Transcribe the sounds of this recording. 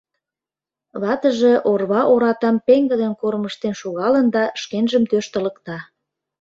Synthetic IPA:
βɑt̪əʒĕʔorβɑʔoɾɑt̪ɑmpeŋɡə̆d̪enkorməʃt̪enʃuɣɑlə̆nd̪ɑʃkenʒə̆mt̪øʃt̪ə̆lə̆kt̪ɑ

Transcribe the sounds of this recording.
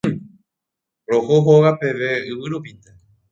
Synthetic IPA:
ɾohoɦoʋape̞ʋe̞ɨʋɨɾupit̪e

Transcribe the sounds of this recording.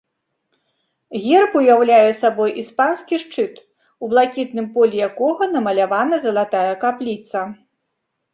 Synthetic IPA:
ɣʲɛrpujawlʲajɛsabɔjʔispanskʲiʂt͡ʂɨt̪ | ublˠakʲit̪̚nɨmpɔlʲijakɔɣɐnɐmɐlʲavanɐzɐlˠat̪ajɐkaplʲit̪sɐ

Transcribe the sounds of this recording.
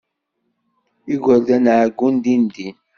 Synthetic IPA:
iɡoldənaɡundindi

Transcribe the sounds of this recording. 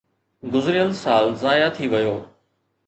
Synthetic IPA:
ɡʊzɾɪjəlsaːlzaːjat̪ʰiʋɐjoː

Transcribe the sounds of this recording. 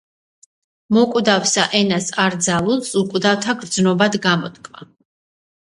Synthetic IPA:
mɔkʼwd̪avsaʔɛnasaɾd̪zalˠulˠsukʼwd̪aft̪ʰaɡɾd̪znɔbad̪ɡamɔt̪kʼma̰

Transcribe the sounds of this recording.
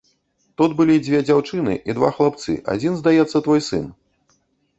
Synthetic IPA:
t̪ud̪bɨlʲid͡zʲvʲɛd͡zʲawt͡ʂɨnɨ̰ʔid̪va̰xlˠap̚t̪sɨ̰ʔa̰d͡zʲinzd̪ajɛt̪sːɐt̪vɔjsɨ̰n

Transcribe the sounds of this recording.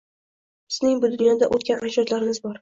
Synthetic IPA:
sɪznɪŋbʊd̪ʊnjɒd̪aʔot̪̚kʲanad͡ʒɒt̪laɾɪmɪzbɒɾ

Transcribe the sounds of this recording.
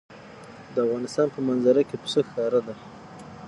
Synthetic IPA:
d̪əafɣɑnɪst̪ɑnpəmanzaɾakep̪ə̥səxɑɾad̪a

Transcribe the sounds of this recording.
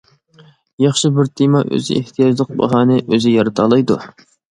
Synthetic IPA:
jɑχʃɪbɪɾt̪ʰimɑʔø̰zɪ̰ḛht̪ʰijɑd͡ʒlˠəq̚bɑ̰ɦɑːnɨʔøzɪjɑɾɨt̪ʰɑːlˠɑjd̪u

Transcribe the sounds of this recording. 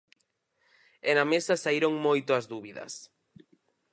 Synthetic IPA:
enamesɐsaiɾoŋmojt̪oɐzðuβiðɐ̰s

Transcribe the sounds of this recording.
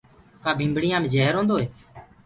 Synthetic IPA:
kaːbʱĩːmbɽɪjãːmẽːd͡ʒɛːɦəɾɦõːnd̪oːɦeː

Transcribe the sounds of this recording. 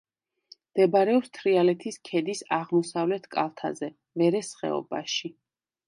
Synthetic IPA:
md̪̥ɛbaɾɛɔpst̪ʰɾialɛt̪ʰiskʰɛd̪isaʁmɔsavlɛt̪ʰkʼa̰lˠt̪ʰa̰zɛ | vɛɾɛsχɛ̰ɔ̰ba̰ʃi

